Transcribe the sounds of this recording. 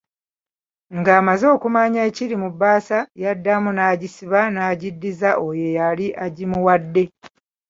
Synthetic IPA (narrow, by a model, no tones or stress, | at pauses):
ŋɡaːmazo̞ːkumaɲaeciɾimubaːsajadːamunaːɟisiβanaːɟidːizaʔojejaliʔaɟimuwadːe̞